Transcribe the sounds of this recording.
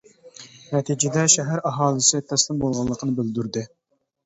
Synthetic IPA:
nɛt̪ʰid͡ʒɪd̪ɛʃɛɦæɾɑɦɑːlˠɨsɨt̪ʰɛslˠɨmbolˠʁɑlˠːəqʰənɨbɪld̪yɾd̪ɪ

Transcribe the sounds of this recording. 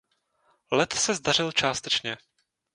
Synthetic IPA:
lɛt̪sɛzd̪ar̝ɪlt͡ʃaːst̪ɛt͡ʃɲɛ

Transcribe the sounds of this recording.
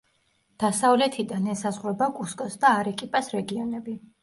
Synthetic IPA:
d̪̥asavlɛt̪ʰid̪anɛsazʁɾɛbakʼuskʼɔsd̪aːɾɛkʼipʼasɾɛɡiɔnɛbi

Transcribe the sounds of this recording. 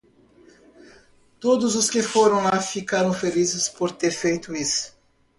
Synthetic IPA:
t̪od̪ʊzʊskɪfoɾɐ̃w̃afikaɾɐ̃w̃felizɪspoɾt̪eɾfejt̪ʊisʊ̥

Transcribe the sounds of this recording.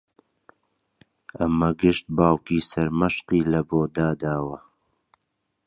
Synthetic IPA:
ɐmɐɡɪʃt̪̚baːwkiːsɐɾmɐʃqiːlɐboːd̪aːd̪aːwɐ

